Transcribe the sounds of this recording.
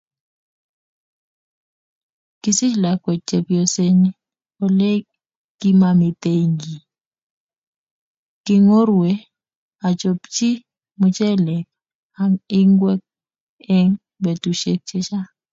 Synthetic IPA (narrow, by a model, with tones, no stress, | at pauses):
ki˦si˦la˨kwɛ˨t͡ʃe˨pjo˨se˦ni˦ | o˨le˦ | ɡ̥i˦ma˨mi˨t̪e˦ŋɡi˨ | kɪ˦ŋo˦ɾwe˦ | a˨t͡ʃo˨pt͡ʃi˦ | mʊ˨t͡ʃɛ˦lɛ˨k̚ | a˦mɪ˦ŋɡwɛ˦k̚ | ɛ˦ŋ | be˨tu˨ʃe˦k̚t͡ʃe˦t͡ʃa˦